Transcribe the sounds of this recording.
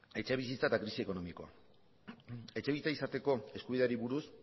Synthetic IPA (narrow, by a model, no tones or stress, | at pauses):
e̞t͡ʃe̞βisit͡saet̪akɾisieko̞no̞miko̞a̰ | e̞t͡ʃe̞βiit͡saisat̪e̞ko̞e̞skuβiðeɾiβuɾus